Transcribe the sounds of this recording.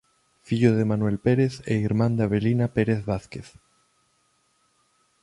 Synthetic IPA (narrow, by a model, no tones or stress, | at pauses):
fiʎoðemanwelpeɾeθeiɾmãnd̪aβelinapeɾeθβaθkeθ